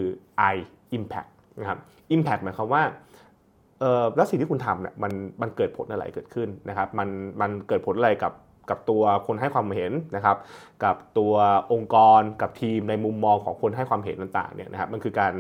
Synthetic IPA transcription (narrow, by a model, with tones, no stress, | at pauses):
kɯː˧ʔa˧j | ʔi˧mpʰɛ̰˦˥k̚na˦˥kʰa˦˥p̚ | ʔi˧mpʰɛ˨˦˥k̚m˨˦ə˦kʰa˦˥mwaː˥˩ | ʔɤː˨˩lɛ˦˥si˨ŋt̪ʰiː˥kʰu˧nt̪ʰa˧mnḭ˥˩ɐma˧nma˧nkɤː˨˩t̪̚pʰo˩˦nʔa˧ɾa̰˨˩˦jkɤː˨˩t̪̚kʰɯ˥˩nːa˦˥kʰa˦˥p̚ma˧nma˧nkɤː˨˩t̪̚pʰo˨˦nʔa˧ɾa˧jka˨˩p̚ | ka˨˩p̚t̪u˧ɐkʰo˧nɦa˥˩jkʰwaː˧m˩hɦe˨˩˦nna˦˥kʰa˦˥p̚ka˨˩p̚t̪u˧ɐʔo˧ŋkɔː˧nka˨˩p̚t̪ʰiː˧mna˧jmu˧mːɔː˧ŋkʰɔː˩˦ŋkʰo˧nɦa˥˩jkʰwaː˧mɦe˨˦nt̪a˨˩ŋt̪a̰ː˨˩ŋnḭ˥˩ɐna˦˥kʰa˦˥p̚ma˧nkʰɯː˧kaː˧n